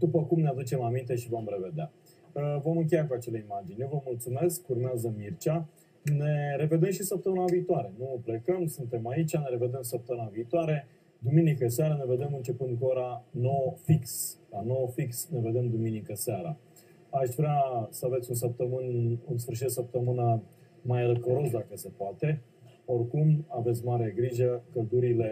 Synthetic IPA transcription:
d̪upəkumnead̪ut͡ʃe̞mamint̪e̞ʃivo̞mɾe̞ve̞d̪ea | əvo̞mɨŋk̬ʲe̞jakuat͡ʃele̞imad͡ʒinʲvəmult̪sume̞skurmeazəmirt͡ʃa | ne̞ɾe̞ve̞d̪e̞mʃisəp̚t̪əmɨnaviːt̪oaɾe̞nuple̞kəmsunt̪e̞mait͡ʃʲane̞ɾe̞ve̞d̪e̞msəp̚t̪əmɨnaviːt̪oaɾe̞ | d̪uminikəseaɾane̞ve̞d̪e̞mɨnt͡ʃe̞pɨnd̪̚kuo̞ɾanofiksanofiksne̞ve̞d̪e̞md̪uminikəseaɾa | aʃvɾeasəavet̪sʲuns̬əp̚t̪əmɨnunsfɨrʃ̬it̪d̪səp̚t̪əmɨna | majləkəɾo̞sd̪akəsepoat̪e̞ | o̞rkumave̞t̪sʲmaɾeɡɾiʒəkəld̪uɾile̞

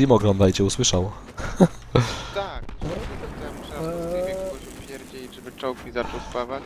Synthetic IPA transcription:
imɔɡɾɔnd̪ajt͡ɕɛuswɘʂawɔ | t̪ak̪̚aɔt̪ɛm | kɔɕupʲjɛɾd͡ʑeʐɛbɘt͡ʂɔwkmʲizat͡ʂɔwspavat͡ɕ

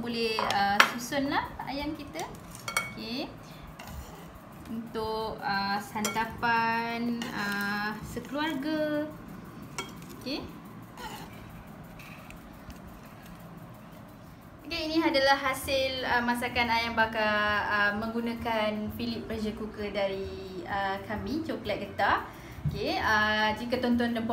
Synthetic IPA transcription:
bolɛhəsusʊnlaha̰jaŋkit̪ə | oke | unt̪ʊkəsant̪apanəsəkluarɡa | oke | okeinĩadalahːasɪləmãs̬akanajaŋbakaəmə̃ŋɡunãkanfilip̚ːəd͡ʒəkukədaɾi | əkamĩt͡ʃoklɛt̪̚ɡət̪a | okeəd͡ʒikat̪ɔnt̪̬ɔndəmp

